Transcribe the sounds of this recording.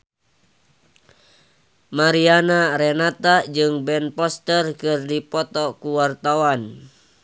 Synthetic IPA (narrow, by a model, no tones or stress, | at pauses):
maɾianaɾɛnat̪ad͡ʒɨŋbɛnpɔst̪ərkɨrdipɔt̪ɔkuwart̪awan